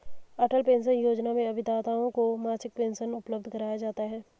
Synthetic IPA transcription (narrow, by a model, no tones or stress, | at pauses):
ɐʈəlpẽːnsənjoːd͡ʒnamẽɐbʱɪt̪aːt̪aːõkomaːɾsɪk̚pẽːnsənʊpləb̚d̪ʱkɐɾaːjad͡ʒaːt̪aɦɛː